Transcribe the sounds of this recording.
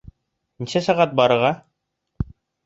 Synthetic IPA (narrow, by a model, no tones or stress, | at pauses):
nisæsæʁɑt̪̚bɑɾɤ̆ɾʁɑ